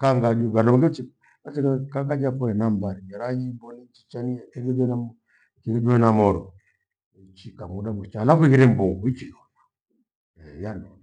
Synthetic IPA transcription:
kaŋɡad͡ʒuɡanɔmŋɡɛt͡ʃi | asiɡakaŋɡad͡ʒapɔɛnambaɾimɛɾaɲimbɔnit͡ʃi̥t͡ʃanijakɛɡɛd͡ʒɔnam | kid͡ʒɔɛnamɔɾɔ | it͡ʃikamuɗamut͡ʃalafiɣiɾɛmbuŋɡuit͡ʃinɔna | ɛjanɔna

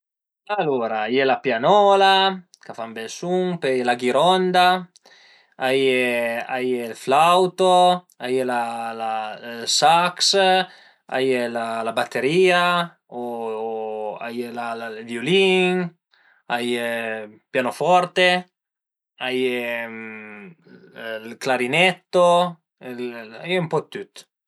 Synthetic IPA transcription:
aloːɾaajelapjanɔːla | kafambɛlsuŋpejlaɡiɾɔnd̪a | ajeajelflawt̪o | ajelalasaks | a̰jelalabat̪ʰːeɾiːa | o | a̰jelalavjoliŋ | aj | pjanofɔɾt̪e | aje | lklaɾinɛt̪ːo | ela̰jumpɔt̪ːut̪

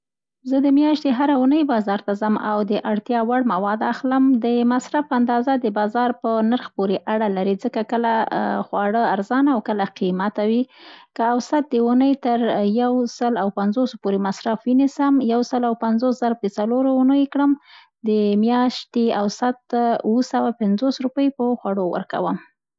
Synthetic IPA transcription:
zəd̪əmjɑʃt̪eɦaɾaunəjbɑzɑɾt̪azama̰wd̪əʔaɽt̪jɑwaɽmawɑd̪axləmd̪əmasɾafpəand̪ɑzad̪əbɑzɑɾpənaɾxpoɾeʔaɽalaɾizəkakəlaxwɑɽəaɾzɑnaawkəlaqimat̪awikəawsat̪̚d̪əunəjt̪əɾjawsəlawpanzospoɾemasɾafwənisəmjawsəlawpanzoszaɾapət͡saloɾounəjekɽəm | d̪əmjɑʃt̪eawsat̪wəsawapɪnzosɾupəjpəxwaɽowə̰ɾka̰wəm

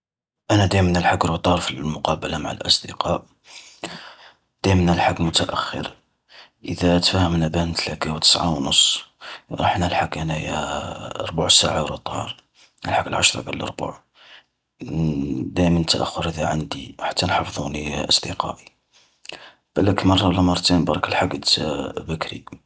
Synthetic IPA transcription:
ʔænæd̪æjmnəlħaɡɾˤot̪ˤɑɾˤfilmʊqɑbəlamaʕa̰lʔɑsˤd̪əqɑʔ | d̪̥æjmnəlħaɡmʊt̪æʔæxːə̰ɾ | ʔəd̪æt̪fæhəmnæbænt̪lækæwt̪ə̥sʕa̰wnʊsˤːɾˤɑħnælħakːʔænæjæ̰ | ɾˤbʊʕsaʕawɾˤət̪ˤhɑ̰ɾˤ | ə̰lħaɡəlʕaʃɾˤɑ̰bəllʔɑ̰ɾˤbʊ̰ʕ | d̪æjmənət̪ːæʔəxːʊɾʔəd̪æʕand̪iħḁt̪ːænħɑfðˤuniʔɑsˤd̪əqɑ̰ʔi | b̥æləkmɑrˤːɑləmɑɾˤt̪inbɑɾˤɑkəlħaɡəd̪bækɾḭ

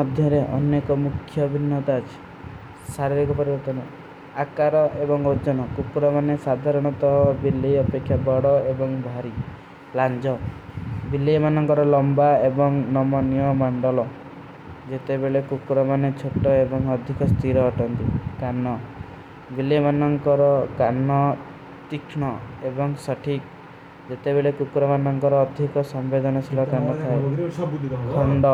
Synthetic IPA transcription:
ɔd̪ʱjɔɾeʔɔ̰nːekɔmukʰːjɔbʱinːɔt̪aːt͡ʃʰi̥ | saɾiɾikɔpɔɾibɔɾt̪ɔnɔ | akaɾɔʔebɔŋod͡ʒɔnɔkukɾɔmanesad̪ʱaɾɔɽ̃ɔt̪ɔɦɔbiliɔpekʰːjabɔɽɔebɔŋbʱaɾi | land͡ʒɔ | bilemanɔŋkɔɾɔlɔmbaebɔŋnɔmɔnijɔmɔɳɖɔlɔ | d͡ʒet̪ebeɭekukɾɔmanet͡ʃʰoʈɔebɔŋɔd̪ʱikɔst̪ʰiɾɔːʈɔnt̪ḭkanɔ | bilemanɔŋkɔɾɔkanːɔ | t̪ikʰɳɔebɔŋsɔʈʰik | d͡ʒet̪ebeɭekukɾɔmanɔŋkɔɾɔːd̪ʱikɔsɔmbed̪ʱɔnɔsʰilɔkanɔt̪ʰae | kʰɔɳɖɔ

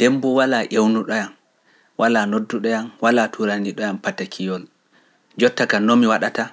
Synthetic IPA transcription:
d̥embɔwalaʔewnuɗɔjam | wʔalanodːuɗɔjanwalatʰuɾaniɗɔjampatakʰijɔl | d͡ʒɔtːakanɔmiwaɗata

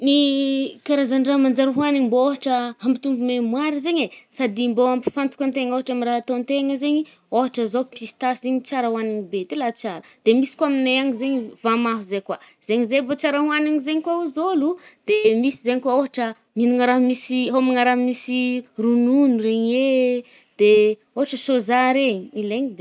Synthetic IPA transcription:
nikaɾazaɳɖ͡ʐaɦmand͡ʒaɾaɦuaniɲibooɦaʈ͡ʂəhambit̪umbumemwaɾizeɲesad̪imboampi̥fant̪u̥kant̪eŋoɦaʈ͡ʂamiraɦat̪ont̪eŋəzeɲi | oɦaʈ͡ʂəzopist̪aszeɲit͡saɾawaniɲibet̪ilat͡saɾəd̪̥emisi̥kwamineaŋizeɲivamaɦuzekwaz̥eɲizevot͡ʃaɾaɦuanaɲizeɲikwauzolud̪̥emisizeɲikaoɦaʈ͡ʂə | minuŋəɾaɦmisiɦomaŋaɾaɦmisirununuɾeɲe | d̪̥e | oɦaʈ͡ʂəsozaɾeɲiileɲibe

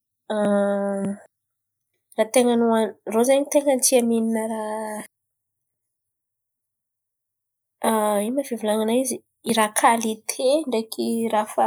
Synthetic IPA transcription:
a | rat̪eŋənuanrozaɲit̪eŋənt̪iamininəɾa | aimavevilaŋanaizi | iɾakʰalit̪ʰeɳɖ͡ʐekʰirafə

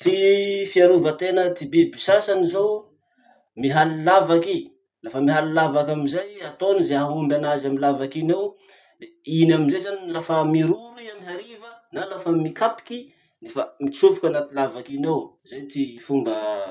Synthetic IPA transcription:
t̪ifiaɾuvət̪enət̪ibibisasanizo | miɦalilavaki | lafəmiɦalilavakamizajat̪onəzeaɦumbʲanazamilavakinew | d̪e | inaminzezaninlafəmiɾuɾuiamiɦaɾivənalafəmikapi̥ki | nefəmit͡sufukʲanat̪ilavakinewzajt̪ifuŋɡə

